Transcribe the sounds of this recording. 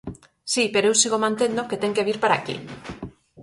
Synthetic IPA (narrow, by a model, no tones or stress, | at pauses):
sipeɾoewsiɣomãnt̪end̪oket̪eŋkeβ̞iɾpaɾakḭ